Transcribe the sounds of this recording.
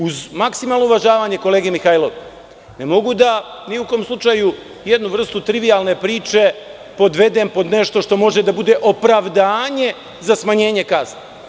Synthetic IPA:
uzmaksimaːlˠnouʋaʒaːʋaːɲe̞ko̞le̞ːɡiemixailoʋ | nemo̞ɡud̪aniuko̞ːmslˠut͡ʃaːju | je̞d̪nuʋr̩st̪ut̪ɾiʋijalne̞pɾiːt͡ʃe̞ | po̞d̪ʋe̞d̪e̞ːmpo̞d̪ne̞ʃt̪o̞ʃt̪o̞mo̞ʒe̞d̪abud̪eʔo̞pɾaʋd̪aːɲe̞ | zasmaɲe̞ːɲe̞kazne

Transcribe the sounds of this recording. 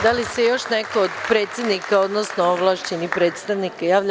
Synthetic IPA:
d̪alisejo̞ʃnekood̪pɾe̞ːt̪sjed̪nikao̞d̪nosnooʋlˠaːʃt͡ɕenipɾe̞ːt̪st̪aʋnikajaːʋʎ

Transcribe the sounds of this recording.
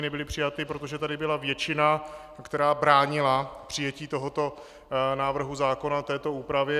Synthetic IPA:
nɛbɪlɪpr̥ɪjat̪ɪpɾo̞t̪o̞ʒɛt̪adɪbɪlavjɛt͡ʃɪna | kt̪ɛɾaːbɾaːɲɪlapr̥ɪjɛciːt̪o̞ɦo̞t̪o̞ | naːvr̩ɦuzaːko̞nat̪ɛːt̪o̞uːpɾavjɛ

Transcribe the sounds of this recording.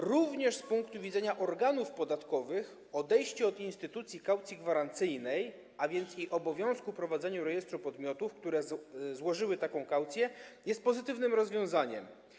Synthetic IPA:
ɾuvɲɛʂspuŋkt̪uvʲid̪zɛɲaʔɔɾɡanufpɔd̪at̪kɔvɘx | ɔd̪ɛjɕt͡ɕɛɔd̪inst̪ɘt̪ut̪sʲjikawt̪sʲiɡvaɾant̪sɘjnɛj | avʲjɛnt̪siʔɔbɔvʲjɔ̃w̃skupɾɔvad̪zɛɲuɾɛjɛst̪ɾupɔd̪mʲjɔt̪ufkt̪uɾɛzwɔʐɘwɘt̪akɔ̃w̃kawt̪sʲjɛjɛst̪̚pɔzɘt̪ɘvnɘmɾɔzvʲjɔ̃w̃zaɲɛ̰m

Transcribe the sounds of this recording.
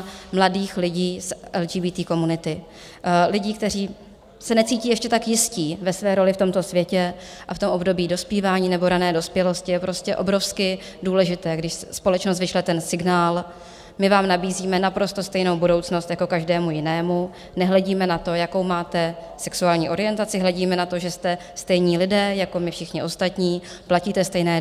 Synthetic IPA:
mladiːxlɪɟiːsʔɛld͡ʒiːbiːt̪iːko̞munɪt̪ɪ | lɪɟiːk̚t̪ɛr̝iː | sɛnɛt͡siːciːjɛʃcɛt̪akjɪsciːvɛsvɛːɾo̞lɪft̪o̞mt̪o̞svjɛcɛʔaft̪o̞mʔo̞bdo̞biːdo̞spiːvaːɲiːnɛbo̞ɾanɛːdo̞spjɛlo̞scɪjɛpɾo̞scɛʔo̞bɾo̞fskɪ | duːlɛʒɪt̪ɛːɡdɪʃsspo̞lɛt͡ʃnos̬t̪vɪʃlɛt̪ɛnsɪɡnaːl | mɪvaːmnabiːziːmɛnapɾo̞st̪ost̪ɛjnowbudo̞wt͡sno̞st̪jako̞kaʒdɛːmujɪnɛːmu | nɛɦlɛɟiːmɛnat̪o̞jako̞wmaːt̪ɛ | sɛksuaːlɲiːʔo̞ɾɪjɛnt̪at͡sɪɦlɛɟiːmɛnat̪o̞ʒɛst̪ɛ | st̪ɛjɲiːlɪdɛːjako̞mɪfʃɪxɲɪʔo̞st̪at̪ɲiː | placiːt̪ɛst̪ɛjnɛː

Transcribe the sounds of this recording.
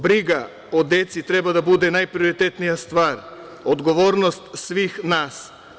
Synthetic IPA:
bɾiɡa | od̪ɛt̪sit̪ɾɛbad̪abud̪ɛnajpɾioɾit̪ɛt̪nijast̪vaɾ | od̪ɡɔvɔɾnɔst̪sʋixnas

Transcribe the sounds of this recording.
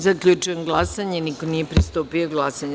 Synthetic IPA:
zakʎʲut͡ʃujemɡlˠasaɲenikonijepɾist̪opioɡlˠasaɲa

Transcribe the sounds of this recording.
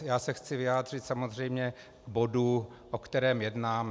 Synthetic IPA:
jaːsɛxt͡sɪvɪjaːd̪r̝ɪt̪samo̞zr̝ɛjmɲɛ | ɡbo̞du | ʔokt̪ɛɾɛːmjɛdnaːm

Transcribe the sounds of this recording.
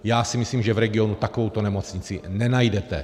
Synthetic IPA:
jaːsimisliːmʒɛvɾɛɡɪonut̪akovowt̪onɛmo̞t͡sɲɪt͡sinɛnajdɛt̪ɛ̰

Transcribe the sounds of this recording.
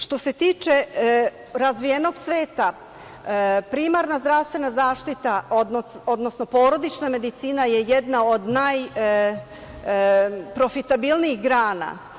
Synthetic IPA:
ʃt̪o̞se̞t̪iːt͡ʃe̞ | ɾazʋijeno̞ɡsʋe̞ːt̪a | pɾimaɾnazd̪ɾaʋst̪ʋenazaːʃt̪it̪aod̪o̞d̪no̞sno̞po̞ːɾo̞d̪it͡ʃname̞d̪it̪siːnaje̞je̞d̪nao̞d̪naj | pɾo̞fit̪abilniixɡɾaːna̰

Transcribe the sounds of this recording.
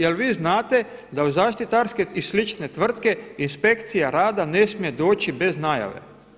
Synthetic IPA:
jelʋiːznaːt̪e̞d̪auzaːʃt̪it̪aɾskeislit͡ʃne̞t̪ʋr̩t̪ke̞inspe̞kt̪sijaɾaːd̪ane̞smije̞d̪oːt͡ʃibe̞znaja̰ʋḛ

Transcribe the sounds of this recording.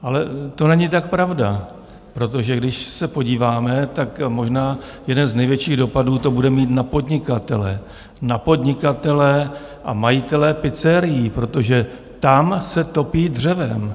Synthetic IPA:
ʔalɛt̪o̞nɛɲɪt̪ak̚pɾavda | pɾo̞t̪̬o̞ʒɛɡdɪʃsɛpo̞ɟiːvaːmɛt̪akmo̞ʒnaː | jɛdɛnznɛjvjɛt͡ʃiːɣdo̞paduːt̪o̞budɛmiːt̪napo̞dɲɪkat̪ɛlɛ̰ | napo̞dɲɪkat̪ɛlɛ | ʔa̰majɪt̪ɛlɛpɪt͡sɛɾɪjiːpɾo̞t̪o̞ʒɛ | t̪amsɛt̪o̞piːdr̝ɛvɛm

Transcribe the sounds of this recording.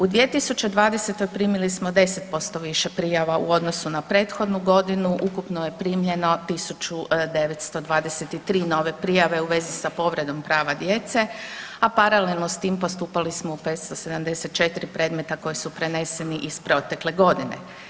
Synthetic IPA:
ud̪ʋie̞t̪isut͡ɕed̪ʋaːd̪ese̞t̪o̞jpɾiːmilismo̞d̪e̞set̪̚po̞st̪o̞ʋiʃepɾijaʋaʔuo̞d̪no̞sunapɾe̞ːt̪xo̞d̪nuɡo̞d̪inuʔukupnoje̞pɾiːmʎe̞no̞t̪isut͡ʃud̪e̞ʋet̪st̪o̞d̪ʋaːd̪eset̪it̪ɾiːno̞ːʋe̞pɾijaʋe̞uʋe̞zisapo̞ʋɾe̞d̪o̞mpɾaːʋad̪je̞t̪se̞apaɾalelˠno̞st̪iːmpo̞st̪uːpalismoupeːt̪st̪o̞se̞d̪amd̪e̞set̪̚t͡ʃe̞t̪iɾipɾe̞ːd̪me̞t̪ako̞jisupɾe̞ne̞se̞niʔispɾo̞t̪e̞kle̞ɡo̞d̪inḛ

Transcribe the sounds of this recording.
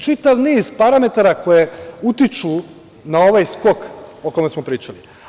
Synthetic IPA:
t͡ʃit̪aʋniːzpaɾame̞t̪aɾako̞jeut̪it͡ʃu | nao̞ʋajsko̞ko̞ko̞mesmo̞pɾiːt͡ʃali

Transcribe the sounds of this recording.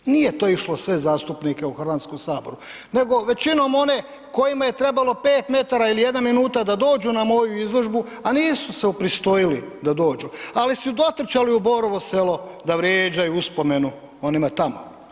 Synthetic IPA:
niːje̞t̪oːiʃlo̞sʋe̞zaːst̪upnike̞uxr̩ʋant̪sko̞msaːbo̞ɾu | ne̞ɡo̞ʋe̞t͡ɕino̞ːmo̞ne̞ | ko̞jimaje̞t̪ɾe̞balo̞pe̞ːt̪me̞t̪aɾailije̞d̪nanminuːt̪ad̪ad̪o̞ːd͡ʒunamo̞juizlˠo̞ʒbu | aniːsuseupɾist̪o̞jilid̪ad̪o̞ːd͡ʒualisud̪o̞t̪ɾ̩t͡ʃaliuboɾoʋo̞se̞lo̞d̪aʋɾjeːd͡ʑajuuspo̞me̞nu | o̞nimat̪amo̰

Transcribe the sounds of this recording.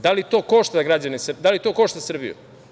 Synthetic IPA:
d̪alit̪o̞ːkoʃt̪aɡɾad͡ʑanesd̪alit̪o̞ːko̞ʃt̪asr̩bḭjṵ

